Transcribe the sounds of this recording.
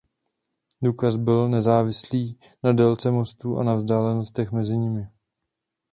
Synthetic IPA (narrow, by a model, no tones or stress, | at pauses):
duːkasbɪlnɛzaːvɪsliː | nadɛlt͡sɛmo̞st̪uːʔa̰navzdaːlɛno̞st̪ɛxmɛzɪɲɪmɪ